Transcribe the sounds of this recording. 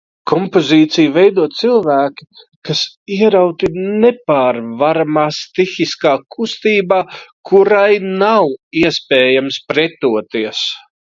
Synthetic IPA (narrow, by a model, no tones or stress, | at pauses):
kʰɔmpoziːt̪sijvɛjd̪uɔt̪t̪silˠvæːkʲi̥ | kas | iɛɾawt̪inepaːɾvaɾamaːst̪ixiskaːkʰust̪iːbaːkuɾajnawiɛspɛːjamspɾɛt̪uɔt̪iɛs